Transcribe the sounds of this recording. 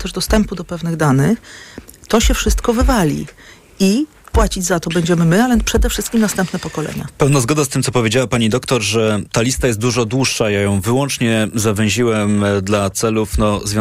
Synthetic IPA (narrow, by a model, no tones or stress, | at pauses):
t̪ɛʐd̪ɔst̪ɛmpud̪ɔpɛvnɘɣd̪anɘx | t̪ɔɕɛfʂɘst̪kɔvɘvalʲḭ | i | pwat͡ɕid͡ʑzat̪ɔbɛɲd͡ʑɛmɘmɘalɛpʂɛd̪ɛfʂɘst̪kʲimnast̪ɛmpnɛpɔkɔlɛ̰ɲa̰pɛwnazɡɔd̪ast̪ɘmtsɔpɔvʲed͡ʑawapaɲid̪ɔkt̪ɔɾʐɛt̪alʲist̪ajɛst̪̚d̪uʐɔd̪wuʂːajajɔ̃w̃vɘwɔnt͡ʂɲɛzavɛ̃ʑiwɛmd̪lat̪sɛlufnɔzvʲjɔ̃